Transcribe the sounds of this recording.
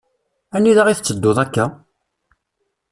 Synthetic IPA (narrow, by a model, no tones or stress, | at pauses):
ænːiðaʁiθət͡sːəd̪ːoðˤækːæ